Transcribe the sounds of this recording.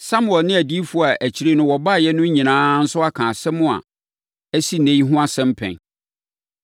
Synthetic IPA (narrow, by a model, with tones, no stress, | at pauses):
sa˦mʊ˨ɛ˨lnɪ̃˦æ˨di˦fʊ˦a˨ʔæ˨t͡ɕʰi˨ɾe˦nʊ̃˦wɔ˨ba˦˨jɛ˦nʊ̃˦ɲĩ˨nãː˦n̩˦sʊ˦a˦kʰãː˨sɛ˦mʊ̃˦a̰˨ | æ˦si˦nẽ˦i˦ɦʊ̃˦a˦sɛ̃˦m˦pʰɛ̰̃˨n